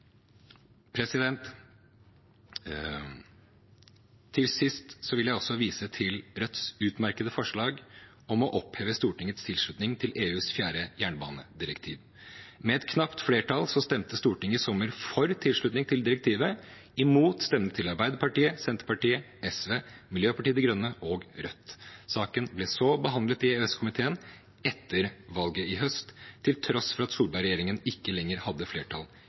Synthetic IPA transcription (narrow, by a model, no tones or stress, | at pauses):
pʰɾɛsɪd̪ɛnt̪ | ɪlsɪst̪sɔʋɪljæɪɔsɔʋiːsət̪ʰɪlɾœt̪sʉːt̪mæɾkəd̪əfɔʂɭɑːɡ | ɔmɔʔɔpheːʋəst̪uːʈɪŋət̪st̪ʰɪlʂɭʉt̪nɪŋt̪ʰɪlʔeːʉːsfjæːɾəjæːɳbɑ̰ːnəd̪ɪɾəkt̪ʰiːʋ | mɛɛt̪kʰnɑpt̪fleːʈʰɑlsɔst̪ɛmt̪əst̪uːʈɪŋəɪsɔmːəɾfɔɾt̪ʰɪlʂɭʉt̪nɪŋt̪ʰɪld̪ɪɾɛk̚t̪ʰiːʋə | ɪmuːt̪st̪ɛmnət̪ʰɪlɑɾbæɪd̪əɾpɑʈiːəsɛnt̪əɾpɑʈiːə | ɛsʋeːmɪljøːpʰɑʈiːəd̪ɛɡɾœnːəʔɔɡɾœt̪ːsɑːkənblɛsɔbəɦɑnd̪lət̪ɪeɛskʊmɪt̪ʰeːən | ɛt̪ːəɾʋɑlɡəɪɦœst̪ʰːɪlt̪ʰɾɔsfɔɾɑt̪suːɾbɑɪɾɛjeːɾɪŋənɪkːəlɛŋːəɾhɑd̪ːəfleːʈʰɑl